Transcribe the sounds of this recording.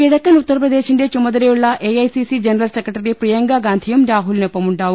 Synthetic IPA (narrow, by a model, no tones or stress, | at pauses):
iɽɐkːɐnut̪ːɐɾɐpɾɐd̪eːʃiɳɖeːt͡ʃumːɐd̪ɐɾeuɭːɐʔejɐjsisid͡ʒɐnɐɾɐlsekɾɐʈɐɾipɾijɐŋɡaɡaːnt̪ʰijɐmɾaːɦulnepːɐmuɳʈaːʋu